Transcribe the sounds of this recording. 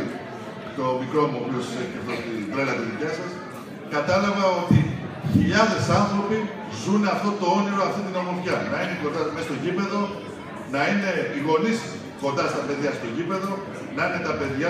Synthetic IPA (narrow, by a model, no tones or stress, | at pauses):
t̪o̞mikɾo̞mopio̞seceft̪ot̪id̪ɾelɐt̪eðicɐsɐs | kɐt̪ɐlɐvɐo̞t̪i | çiʎɐðesɐnθɾo̞pi | zunɐft̪o̞t̪o̞o̞niɾoɐft̪it̪ino̞lofçɐnɐineko̞nd̪ɐmest̪oʝipe̞ðo̞ | nɐine̞iɣo̞nis | ko̞nd̪ɐst̪ɐpe̞ðjɐst̪o̞ʝipe̞ðo̞ | nɐine̞t̪ɐpe̞ðʝɐ